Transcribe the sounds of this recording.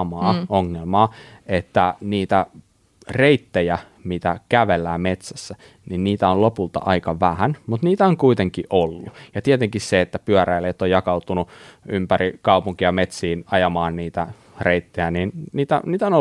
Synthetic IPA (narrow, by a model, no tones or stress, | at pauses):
mɑːoŋːelmɑːet̪ːæniːt̪æ | reit̪ːejæ | mit̪ækæʋelːæːmet̪sæsːæ | ninniːt̪æollopult̪ɑ̰ʔɑikɑʋæhænmut̪niːt̪æoŋkuit̪eŋkiʔolːujɑt̪iet̪eŋkisseet̪ːæpyæræilːeot̪ːojɑkɑut̪unuympærikɑupuŋkijɑmet̪siːnɑjɑmɑːnniːt̪æ | reit̪ːejæninniːt̪æ̰niːt̪æono